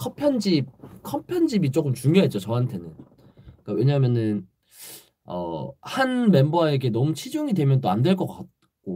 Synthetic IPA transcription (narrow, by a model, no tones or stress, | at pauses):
kʰʌpʰjʌnd͡ʑip̚kʰʌpʰjʌnd͡ʑibit͡ɕ͈ok͈ɯmt͡ɕuŋjoɦet͡ɕ͈ot͡ɕʌɦantʰe̞nɯn | k͈awe̞ɲamjʌnɯn | ʌ̰hanme̞mbae̞ɡe̞nʌmut͡ɕʰid͡ʑuŋidwe̞mjʌnt͈oandwe̞ɭk͈ʌk͈at̚ | k͈o